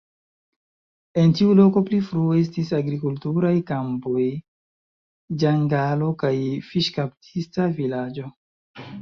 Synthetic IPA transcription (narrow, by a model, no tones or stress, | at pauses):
e̞ntiulo̞ko̞plifɾuoe̞s̬tisaɡɾikultuɾajkampo̞j | d͡ʒaŋɡalo̞kajfiʃkaptʰistavilad͡ʒo̞